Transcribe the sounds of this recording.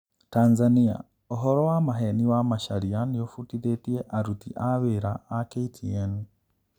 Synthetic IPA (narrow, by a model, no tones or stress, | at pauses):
taːnzania̰ | ɔɦɔɾɔwamaɦɛniwamaʃaɾianejofutiðetieʔaɾutiʔaβeɾaːkeitʰiɛn